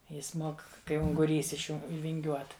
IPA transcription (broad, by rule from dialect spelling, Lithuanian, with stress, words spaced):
ˈjɪs ˈmoːk kɐɪ ʊŋɡʊˈrʲiːs ɪʃ ˈjuː ʋʲɪŋʲˈɡʲuɔt